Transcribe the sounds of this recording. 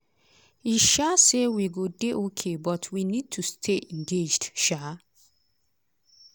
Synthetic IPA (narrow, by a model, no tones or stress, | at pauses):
iʃasewiɡodeʔokʰebɔtʰwinid̚tʰustʰeʔɛ̃ŋɡed͡ʒdʃa